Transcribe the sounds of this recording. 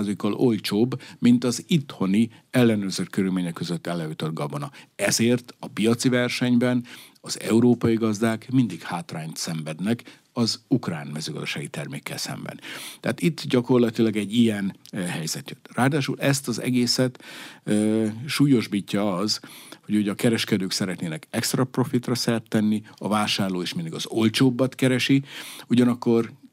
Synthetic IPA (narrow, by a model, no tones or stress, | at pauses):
zikːɒlo̞lt͡ʃoːbːmint̪ɒzit̪ho̞ni | ɛlːɛnøːrzøʃkøɾylmeːɲɛkːøzøt̪ːɛlːɛjut̪o̞d̪̚ɡɒbo̞nɒɛzeːrt̪ɒpijɒt̪sivɛrʃɛɲbɛn | ɒzɛ̰uɾoːpɒjiɡɒzd̪aːkmind̪ikhaːt̪raːɲt̪sɛɱvɛd̪nɛk | ɒzukraːnmɛzøːɡɒzd̪oʃaːɡit̪ɛrmḛːkːɛ̰lsɛ̰mbɛ̰nt̪ɛaːt̪it̪ːɟɒko̞rlɒt̪ilɒɡɛɟːijɛnhɛjzɛt̪jøt̪ːraːd̪aːʃṵlɛst̪ɒzɛ̰ɡeːsɛt̪ | ʃuːjo̞ʒbicːɒɒzho̞ɟoɟɒkɛɾɛʃkɛd̪øːksɛɾɛt̪neːnɛkɛkst̪rɒpro̞fit̪rɒsɛrt̪ːɛnːiɒvaːʃaːrloːeːʃmind̪iɡɒzo̞lt͡ʃoːbːɒt̪kɛɾɛʃiuɟɒnɒkːo̞r